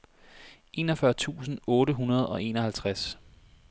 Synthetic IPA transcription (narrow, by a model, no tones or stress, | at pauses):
ʔe̝ːnɒfɶɐt͡sʰṵːsn̩ɔ̽ːɾəɦunɐð̞̩ˠɒ̽e̝̰ːnɒ̽hælt͡sʰʁas